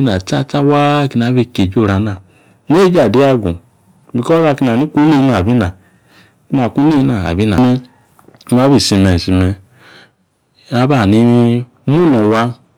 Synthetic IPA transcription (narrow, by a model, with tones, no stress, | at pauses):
i˦na˨ta˦˨ta˦wa˦ki˦na˨˦bi˦˨ke˨d͡ʒo˦˨ɾa˨na˨ | ne˦d͡ʒa˨di˦a˦ɡu˨ | bi˨kɔ˦a˧˨ki˧˦na˨ni˦ku˦ni˦na˨bi˦na˨ | ki˦na˨ku˦i˦na˨a̰˨bi˦na˨mɛ˦˨˦ | m˦a˦bi˦˨si˧me˨si˧mɛ˧ | a˦ba˦˨ni˦ | mu˦nɔ˨wa˦